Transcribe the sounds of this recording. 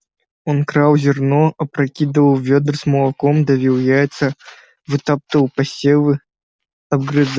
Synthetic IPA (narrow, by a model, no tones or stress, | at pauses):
onkɾawzʲɪrnɔɐpɾɐkʲid̪ɨvəwvʲed̪rsmɐlˠɐkɔmd̪ɐvʲiwjajt̪sɐ | vɨt̪ap̚t̪əwpɐsʲelɨ | ɐb̚ɡɾɨz